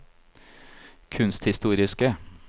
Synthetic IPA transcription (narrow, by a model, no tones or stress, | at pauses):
kʰʉnst̪hɪst̪uːɾɪskə